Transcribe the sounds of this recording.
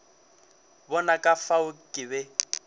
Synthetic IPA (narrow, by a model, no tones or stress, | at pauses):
bɔnakʼafaʊkʼɪbɛ